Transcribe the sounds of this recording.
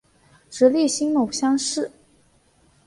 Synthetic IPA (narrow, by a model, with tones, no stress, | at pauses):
ʈ͡ʂɻ̩˧˥li˥˩ɕi˥ŋmo˨˩ʊɕjɑ˥ŋʂɻ̩˥˩